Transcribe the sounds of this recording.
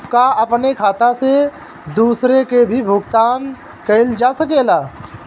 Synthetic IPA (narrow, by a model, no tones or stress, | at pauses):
kaɐpnekʰaːt̪ase | d̪uːsɾekebʱibʱʊɡt̪aːn | keɪld͡ʒaːsɐkeːlaː